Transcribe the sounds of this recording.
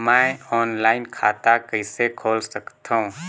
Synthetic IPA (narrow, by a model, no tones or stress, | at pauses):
maɔːnlaːɪnkʰaːt̪akəɪsekʰoːlsəkt̪ʰaũ